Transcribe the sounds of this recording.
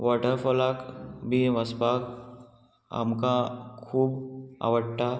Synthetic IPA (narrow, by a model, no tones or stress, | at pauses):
ʋɔʈəɾfɔlakbʱiʋəspak | a̰mkakʰːuːba̰ʋəɽʈa